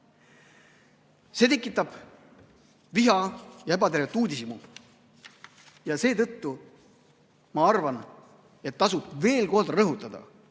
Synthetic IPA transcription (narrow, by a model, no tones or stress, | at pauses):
se̞t̪e̞kːˑit̪ːˑɑb̥ | viɦɑjɑebɑt̪e̞ɾvet̪ːˑuːd̪ʲisimu | jɑse̞ːt̪ɤt̪ːu | mɑɑrvɑn | e̞t̪ːɑsub̥ve̞ːlko̞ld̪ɾɤɦut̪ːˑɑd̪̥ɑ̰